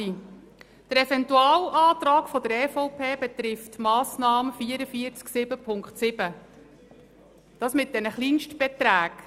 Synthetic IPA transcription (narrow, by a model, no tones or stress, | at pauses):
d̥əɾɛfɛntuɑːlɑːt̪ɾɑːkfɔd̥̪əɾɛfɔʊpʰeːbɛt̪ɾɪftmɑːsnɑːməfiːəɾəfiəɾt͡sksɪb̥əpʰʊŋkχtsɪb̥ə | d̥ɑːsmɪt̚d̥ɛnəχliːnʃtb̥ɛt̪ɾæːk